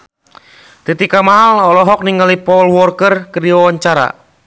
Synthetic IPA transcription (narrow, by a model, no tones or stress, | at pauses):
t̪et̪ikamaɦalɔlɔɦɔk̚niŋalipɔlwɔrkərkəɾiɔwaɲt͡ʃaɾa̰